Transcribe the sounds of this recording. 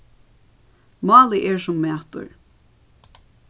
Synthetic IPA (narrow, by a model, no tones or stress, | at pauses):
mɑːliʔɛɹsʊmːɛːt̪ʊ̰ɹ